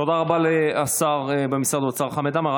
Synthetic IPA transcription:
tod̪aʁabaleasaʁebemisʁad̪oat͡saʁχamed̪amaʁ

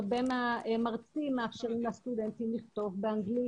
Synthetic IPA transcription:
benaemaʁt͡simeafʃeʁimlest̪ud̪entimliχt̪o̞vbeaŋɡli

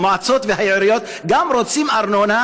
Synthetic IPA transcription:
mat͡sot̪vehajeɾijot̪ | ɡamɾot͡simaɾnona

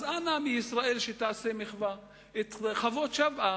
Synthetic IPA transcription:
zanamijisʁae̞lʃet̪aːsemeχva | et̪χavo̞t̪ʃavʔa

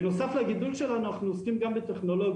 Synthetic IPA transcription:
nusaflaɡɪdulˠʃɛlanuaχnuskimɡambɪt̪ɛχnɔlɔɡ

